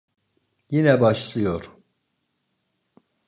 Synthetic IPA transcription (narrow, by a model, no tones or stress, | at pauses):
jinɛbaʃlˠɯjo̞ɾ̥